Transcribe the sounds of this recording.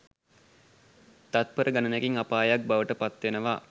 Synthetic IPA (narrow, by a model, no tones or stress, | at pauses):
t̪at̪̚pəɾəɡanənekiŋapaːjak̚baʋəʈəpat̪ʋenəʋa